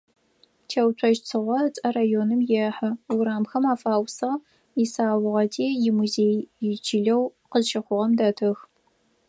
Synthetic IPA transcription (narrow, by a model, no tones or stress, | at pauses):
tʰeːwt͡ʃʷʰɔʒt͡sʰɨʁʷɔt͡sʼɐraːjoːnɨmjɛħɨʊɾaːmxɐmaːfaːwsɐʁ | isaːwʊʁɐtʰiːjɪmuzeːjjɪt͡ʃʰiɮɐwqəzʃɐχʷʊʁɐmdɐtʰɨx